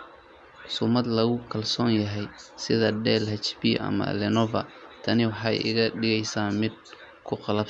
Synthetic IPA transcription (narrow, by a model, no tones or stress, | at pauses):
ħʊsʊmɐd̪lɐɣʊkʰɐlsɔːnjɐɦɛjsɪðɐdɛːlhɐt͡ʃbḭʔɐ̰mɐ̰lɛnɔvɐ̰t̪ʰɐnɪwɑħɑjɪ̰ɣɐɖɪɣɛjsaːmɪd̪̚ | kʰʊqɑlɐb